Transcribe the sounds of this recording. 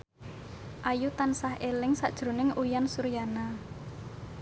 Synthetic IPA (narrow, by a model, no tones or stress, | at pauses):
ʔajut̪ansahelɪŋsad̥ʒ̥ɾo̤nɪŋujansuɾjana